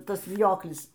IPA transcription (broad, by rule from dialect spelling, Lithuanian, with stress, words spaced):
ˈtɐs ʋʲɪˈjoːklʲɪs